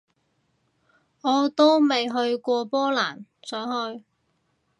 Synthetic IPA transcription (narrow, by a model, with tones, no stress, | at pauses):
ɔː˨˧t̪o˥wme˨jɦɵ˧ɥkʷɔː˧pɔː˥laː˨˩nsœː˨˥ŋɦɵ˧ɥ